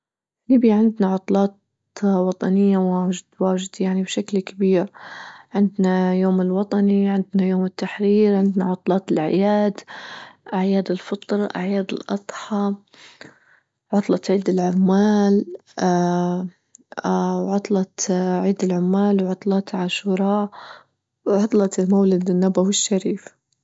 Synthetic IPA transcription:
liːbjaʕɪnd̪naʕʊt̪ˤlɑːt̪ | wɑt̪ˤɑnɪjːawaːd͡ʒɪd̪waːʒɪd̪jaʕnibʃaklkabiːɾʕɪnd̪najoːmɪlwɑt̪ˤɑniʕɪnd̪najoːmɪt̪ːaħɾiːɾʕɪnd̪naʕʊt̪ˤlɑːt̪ɪlʕɪ̰jaːd̪ʔaʕjaːd̪ɪlfɨt̪ˤɾʔa̰ʕjaːd̪ɪ̰lʔɑt̪ˤħɑ | ʕʊt̪ˤlɑt̪ʕiːd̪ɪlʕʊmːaːl | a | wʕʊt̪ˤlɑt̪ʕiːd̪ɪlʕʊmːaːlwʕʊt̪ˤlɑːt̪ʕaʃuːɾˤɑː | wʕʊt̪ˤlɑt̪ɪlmawlad̪ɪnːabawɪʃːaɾiːf

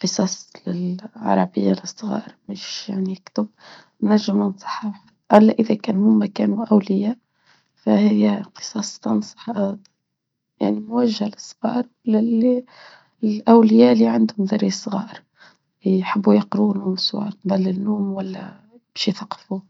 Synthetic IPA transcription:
qɨsˤɑːslɪlʕɑ̰ɾˤɑbɪjːaləsˤːɣɑ̰ːɾbæʃjaʕnijɪkt̪ʊb̚ | nːæɾʒːəmənsˤɑ̥ħɑħ | ʔælːæʔəðækæːnhʊmːakæːnuʔawlɪja | fæhɪjqɨ̥sˤɑsˤt̪ɑnsˤɑ̥ħ | ja̰ʕnimʊwæʒːhæləsˤːɣɑ̰ːɾ | lɪl | ʔawlɪjaliʕand̪hʊmðɑɾisˤɣɑ̰ːɾ | ħabːujɑqɾulʊmsˤṵɑ̰ʕb̪ˤɑlːɪnːuːmwælːæ̰ | b̥æʃjθɑqfu

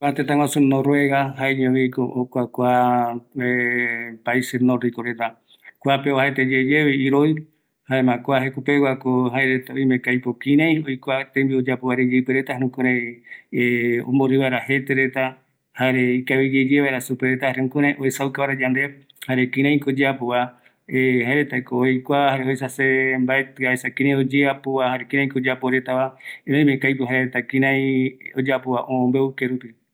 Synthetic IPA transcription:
kat̪et̪ãŋwasunõɾoeɣahaeɲõβikookʷakʷa | epaisenorikoɾet̪a | kʷapeoaet̪ed͡ʒed͡ʒeβiiɾoj | haemãkʷaɦekupewakohaeɾet̪aojmẽkajpokĩɾ̃ãj̃ojkʷat̪embiod͡ʒapoβaɾed͡ʒepeɾet̪aheɾũkũɾe | õ̰mboɾiβaeɾahe̞t̪eɾet̪a | haɾe̞ikaβid͡ʒed͡ʒeβaeɾasupeɾet̪ahaɾeũkũɾ̃ãjʔoesaukaβaɾad͡ʒand̪e | haɾekĩɾ̃ãj̃ĩkod͡ʒeapoa | eɦaeɾet̪akojkʷahaɾeoesasembaet̪ɨaesakĩɾãjod͡ʒeapoahaɾekĩɾ̃ãĩkod͡ʒeapoɾe̞t̪aʋanãj̃mẽkajpoɦaeɾet̪akĩɾãj̃od͡ʒapoaʔõmbeukeɾupi

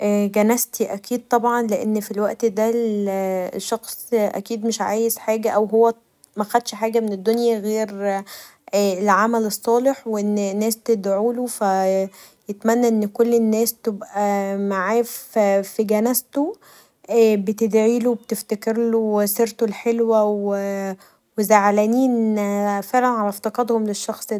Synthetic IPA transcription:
ʔæːɡænæst̪iʔækiːd̪̚t̪ˤɑbʕɑnleʔenːfilwæʔt̪d̪ælʃːɑxsˤʔæ̰kiːd̪meʃʕaːjezħaːɡæʔæwɦowːæ | mæxæd̪ʃħaːɡæmened̪ːonjæɣeːɾ | elʕamælesˤːɑːleħweʔenːnːæːst̪ed̪ʕuːlofæ | jet̪mænːæʔenːkolːenːæːst̪ebʔæmaʕaːffiɡænæst̪o | ʔːbet̪ed̪ʕiːlubet̪eft̪ækeɾloweseɾt̪olħelwæwe | wezaʕlæniːnfeʕlænʕalæft̪ɑqɑd̪homleʃːɑxsˤ

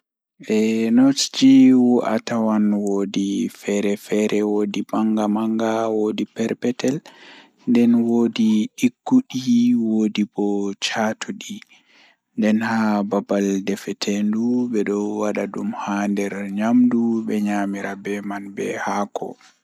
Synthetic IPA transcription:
ʔɛnotd͡ʒiwuʔa̰tawanwodifɛɾɛfɛɾɛwoːdibaŋɡamaŋɡawodipɛɾpɛtɛl | ndɛnwoːdiɗiɡːuɗiwodibɔt͡ʃatʰuɗi | ndɛnhababaldɛfɛtʰendubɛɗɔwwaɗaɗumhandɛɾɲamdubɛɲaːmiɾabɛmanbɛhakʰɔ̰

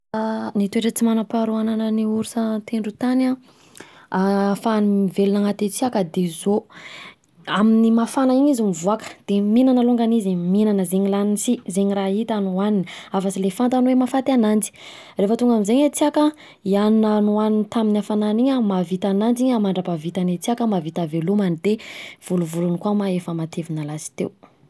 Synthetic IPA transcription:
nit̪ueʈ͡ʂət͡simanapaɾuananəniuɾusət̪eɳɖ͡ʐut̪ana | afanimivelunaŋat̪et͡siakəd̪ezo | aminimafanaiɲizumivuakə̥d̪̥eminanəluŋɡaniziminanəzeɲilaninsizeɲiraɦit̪anuaniniavasilefant̪anwemafat̪anand͡ʒi̥ | refət̪uŋɡamizeɲat͡siakə | iannanuaninit̪aminafananiɲəmavit̪anand͡ʒiɲamaɳɖ͡ʐapavit̪anet͡siakəmavit̪avelumanid̪ev̥uluvulunikwamaefəmat̪ʰevinalasi̥t̪ḛw

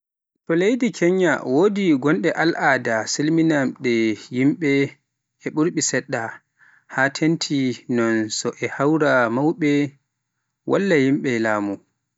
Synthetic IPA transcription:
tɔlejdikʰɛɲːa̰wodiɡɔnɗɛʔalʔadasilminamɗɛjimɓɛ | ɛɓuɾɓisɛɗːa | hatʰentʰinɔnsɔʔɛhawɾamawɓɛ | wʔa̰lːajimɓɛlaːmu

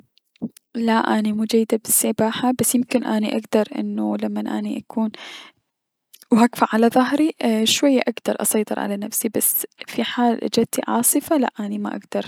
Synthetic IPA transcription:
laʔanimuːd͡ʒajːɪd̪abɪsːabaːħabasːjɪmkɪnʔaniʔa̰ɡd̪ɑɾˤʔɪ̰nːulamːanʔa̰niʔakʰuːn | whaɡfaʕalaðˤɑɦɾiʃwajːaʔaɡd̪̥ɑɾˤʔɑ̰sˤɑjt̪ˤɨɾˤʕa̰lanafsibasfiħaːlʔa̰d͡ʒad̪̚t̪iʕɑ̰ːsˤɨfala̰ʔʔanima̰ʔa̰ɡd̪̥ɑɾˤ

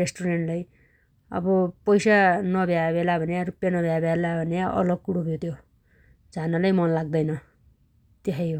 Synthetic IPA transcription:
esʈuɾeɳʈlaj | ʌ̰bʌpʌjsanʌbʱjabelabʱʌneaɾupjanʌbʱjabʱjalabʱʌnejaʔʌ̰lʌɡ̚kuɽopʰjot̪ʰjo | d͡zʱanalajmʌnlaɡ̚d̪ʌjnʌ | t̪eɦʌjo

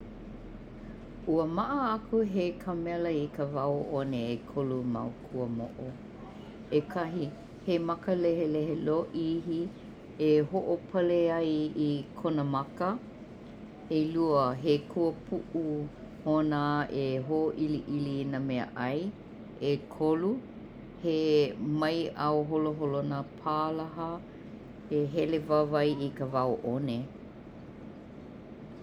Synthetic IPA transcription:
uəmɐʔəakʰuɦekʰamɛləikəvawʔoneekʰoluma̰wkʰuəmo̰ʔo | ekʰɐɦi | hemɐkəlɛɦeleɦeloʔihi | eɦoʔopʰɐleɐjikʰonəmɐkə | eluəɦekʰuəpʰuʔu | honaeɦoʔiliʔilinəmɛə̰ʔɐj | ekʰolu | hemɐjʔaoɦoloɦolonapʰaːlaɦɐ | heɦɛlevavɐjikəvaoʔone

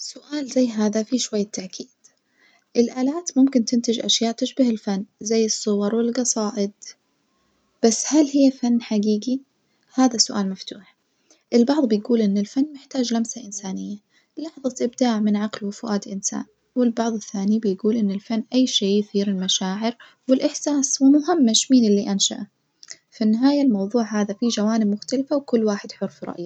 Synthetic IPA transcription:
sʊʔaːlzajːɦaːðafiʃwajːat̪ʰːaʕkʰiːd̪̥ | ʔɪlʔaːlaːt̪mʊmkɪnt̪ɪnt̪ɪd͡ʒʔa̰ʃjaːʔt̪ɪʃbahɪlfanːzajːɨsˤːʊwɑɾˤwɪlɡɑsˤɑːʔɪd̪̚ | b̥asːhalhɪjːafanːħaɡiːɡi | haːðasʊʔaːlmaft̪uːħ | ʔɪlbɑʕðˤbɪjɡuːlʔɪnːɪlfanːmɪħt̪aːd͡ʒlamsaʔɪnsaːnɪjːa | lɑħðˤɑt̪ʔɪb̚d̪aːʕmɪnʕaqlwɪfʊʔaːt̪ʔɪnsa̰ːʔ | wɪlbɑʕðˤɪθːaːnibɪjɡuːlʔɪnːɪlfanːʔajːʃeːjθiːɾɪlmaʃaːʕɪɾ | wɪlʔɪħsaːswɪmʊɦɪmːaʃmiːnɪlːiʔanʃa̰ʔa | fanːɪɦaːjalmɑwðˤuːʕɦaːðafid͡ʒawaːnɪb̚mʊxt̪alfawkʊlːwaːħɪd̪ħʊɾˤfɾˤɑ̰ʔja

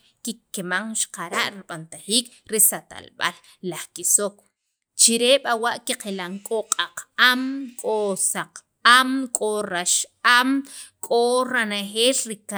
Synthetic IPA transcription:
kikːemaŋʃqaɾaʔɾiɓant̪aχiːk | ɾisat̪a̰lɓa̰lː | aχkisok | t͡ʃiɾeɓawaʔkiqelaŋkʼoqʼaqamkʼosaq | amkʼoɾaʃamkʼoɾanaχeːlɾika

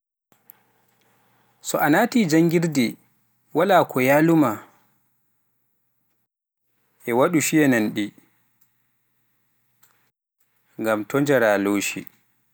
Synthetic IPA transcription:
sɔʔanaːtiːd͡ʒaŋɡiɾdɛ | walaːkʰɔjaːluma | ʔɛwaɗuʃijɛnanɗi | ŋɡamtɔnd͡ʒɛɾaːloːʃḭ

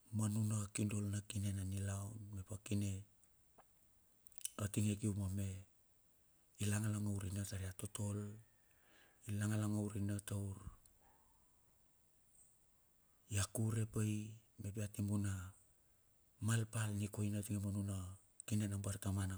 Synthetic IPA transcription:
manunakindo̞lnakine̞nanilawnmepakine̞ | atiŋek̬iumame̞ | ilaŋalaŋawɾinataɾiato̞to̞l | ilaŋalaŋawɾinatauɾ | jakuɾe̞pajme̞piatimuna | malpalnikojnatiŋemanuna | kine̞nabaɾtamana

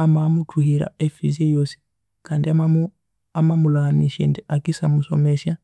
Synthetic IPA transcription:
amaːmutʰuhiɾa̰efizejosi̥ | kandiama | amamulaŋaniʃḛndiakisamuso̰mesja

